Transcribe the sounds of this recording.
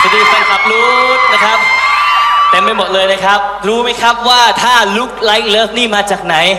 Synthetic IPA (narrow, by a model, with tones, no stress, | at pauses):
a˧d̪iː˧kʰa˧˩nkʰa˨˩p̚luː˦˥na˦˥˩kʰa˦˥p̚ | t̪e˧mpa˧jmo˨˩t̪̚lɤː˧jna˦˥˩kʰɾa˦˥p̚ɾuː˦˥ma˦˥jkʰɾa˦˥p̚waː˥˩t̪ʰaː˥˩lu˦˥k̚la˦˥jk̚lɤː˦˥˩k̚niː˥˩maː˧t͡ɕaː˨˩k̚na˩˦j